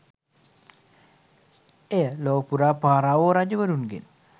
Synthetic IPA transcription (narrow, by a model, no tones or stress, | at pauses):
eːloːpːuɾaːpaːraːʋoːɾaːd͡ʑuʋɐɾunɡḭl